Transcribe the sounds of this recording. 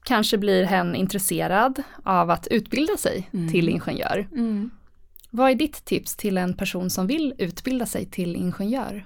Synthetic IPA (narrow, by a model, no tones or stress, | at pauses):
kʰanʂəbliɾɦɛnːɪ̰nt̪ɾɛseːɾad̪ʔavat̪ʰʉ̟ːt̪bɪld̪asɛ̰jt̪ʰɪlɪ̰nɧɛnjœ̰ːɾ | vaæɖɪt̪ʰːɪpst̪ʰɪlɛnpʰæʂuːnsɔmvɪlʉ̟ːt̪bɪld̪asɛ̰jt̪ʰɪlɪ̰nɧɛnjœ̰ːɾ